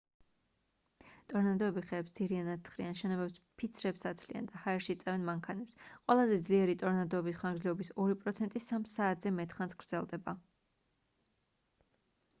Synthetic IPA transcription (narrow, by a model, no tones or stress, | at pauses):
t̪ʼɔɾnad̪ɔɛbiχɛːpsd̪z̥iɾianad̪̚t̪ːχɾianʃɛnɔbɛpspʰit̪sʰɾɛpsat̪sʰlia̰nd̪ahaɛɾʃiːt̪sʼɛvɛnmaŋkʰanɛpsqʼwɛlˠazɛd̪zliɛɾit̪ʼɔɾnad̪ɔɛbisχaŋɡzlɛɔbisɔɾipʼɾɔt̪sʰɛnt̪ʼisamsaːt̪ʰz̥ɛmɛt̪ʰʼχansɡ̥ɾd̪zɛlˠd̪ɛba